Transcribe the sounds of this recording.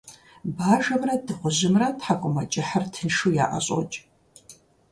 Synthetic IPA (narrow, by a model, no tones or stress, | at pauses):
baːʒɐmrɐdɨʁʷʊʑɪmrɐtħakʷʼʊmat͡ʃʼɪħartʰɨnʂuja̰ːʔa̰ɕʼɔ̰t͡ʃʼ